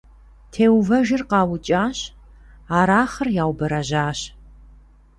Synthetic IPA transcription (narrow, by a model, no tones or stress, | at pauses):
tʰeːwvɐʒɪrqɑːwʊt͡ʃʼaːɕ | aːɾaːχɐrjaːwbɐɾɐʑaːɕ